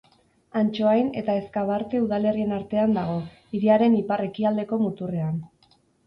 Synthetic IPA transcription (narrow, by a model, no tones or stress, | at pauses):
ant͡ʃo̞ajne̞̰t̪ae̞skaβ̞aɾt̪e̞uðale̞rie̞naɾt̪e̞and̪aɣ̞o̞ | iɾiaɾe̞nipare̞kiald̪e̞ko̞mut̪ure̞an